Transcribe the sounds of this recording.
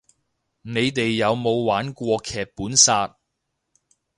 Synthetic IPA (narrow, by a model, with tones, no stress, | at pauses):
ne˨˧jt̪e˨jːɐ˨˧wmo˨˧wwaː˨˥nkʷɔː˧kʰɛː˨k̚puː˨˥nsaː˧t̚